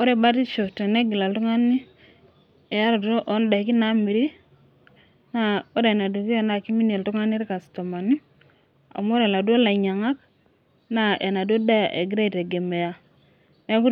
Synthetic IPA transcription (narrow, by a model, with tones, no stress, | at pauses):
o˦ɾe˦˨ba˦ti˦t͡ʃo˨te˨ne˦ɡi˨la˨ltu˦ŋa˦ni˦ | e˨ja˦ɾo˨to˦ʔɔ˦nda˨i˨ki˦na˦mi˨ɾi˦ | na˦o˦ɾe˨na˨du˨ki˦e˦na˨ki˦mi˦ne˨ltu˦ŋa˦ni˦ɾka˨sto˨ma˨ni˦ | a̰˨m˦o˦ɾe˨la˨do˦la˨ɲa˨ŋa˦k | na˦ʔe˨na˨du˦o˦da˦ja˨ʔe˨ɡi˦ɾa˦i˨te˨ɡe˨me˨ja˨ | ne˦ku˦